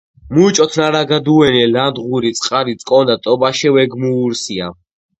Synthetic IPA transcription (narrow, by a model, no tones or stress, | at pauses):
muit͡ʃʼɔt̪ʰnaɾaɡad̪uɛnɛland̪ʁuɾit̪sʼqʼaɾit̪sʼkʼɔnd̪at̪ʼɔbaʃɛvɛɡmuːɾsia̰